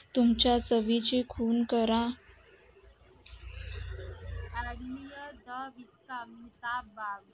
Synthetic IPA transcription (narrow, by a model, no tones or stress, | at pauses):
t̪umt͡ɕjasəʋit͡ɕikʰuːnkəɾã | ɾənijəd̪əʋist̪amit̪abaɡ